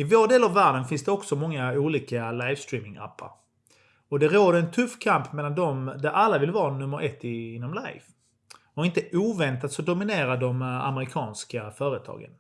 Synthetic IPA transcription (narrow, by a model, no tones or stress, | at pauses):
ɪvoːɖeːlavvːæːɖənfɪnsd̪ɛɔksɔmɔŋːauːliːkalajvst̪ɾiːmɪŋʔa̰pːa̰ɾ | ɔd̪ɛɾoːd̪əɾɛnt̪ʰɵfːkʰampmɛlːand̪ɔmd̪ɛʔalːavɪlvɑːnɵmːəɾʔɛt̪ʰːɪɪnːɔmla̰jv | ɔɪnt̪əʔuːvɛnt̪at̪sɔd̪ʊmɪneːɾad̪ɔma̰məɾɪkʰɑːnskafœːɾət̪ʰɑ̰ːɡə̰n